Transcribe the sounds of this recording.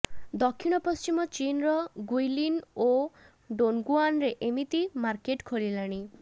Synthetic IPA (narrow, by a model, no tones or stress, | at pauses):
d̪ɔkʰːiɽ̃ɔpɔst͡ʃimɔt͡ʃinɾɔɡujlino | ɖonɡuanɾeʔemit̪imaɾkeʈkʰoɭilaɽ̃i